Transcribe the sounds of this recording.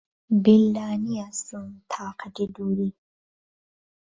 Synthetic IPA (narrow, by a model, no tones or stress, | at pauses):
bilːaːniasumt̪ʰaːqaʈid̪uːɾi